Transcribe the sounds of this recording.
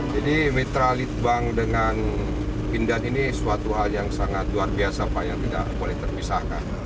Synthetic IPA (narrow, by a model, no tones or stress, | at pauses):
d͡ʒadimet̪ɾalɪt̪̚baŋdəŋan | pindaninisuat̪uɦaljaŋsaŋat̪̚luarbiasapajaŋt̪ida̰ʔbolɛht̪ərpisahka̰n